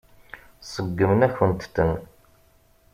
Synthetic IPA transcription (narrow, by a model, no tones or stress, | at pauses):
səɡːəmənæçənt̪θən